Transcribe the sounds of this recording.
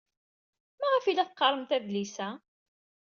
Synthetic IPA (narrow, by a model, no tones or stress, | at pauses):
mæʁæfilæθqːɑɾˤəmt̪æðlisæ